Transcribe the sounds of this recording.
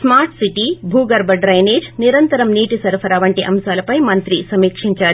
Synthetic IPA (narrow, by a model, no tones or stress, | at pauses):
smaːɾʈsiʈibʱuːɡɐɾbɐɖɾɐjneːd͡ʒniɾɐnt̪ɐɾɐmniːʈisɐɾfʰɐɾaːʋɐɳʈiʔɐmsaːlɐpɐjmɐnt̪ɾisɐmiːkʂiɲt͡ʃaː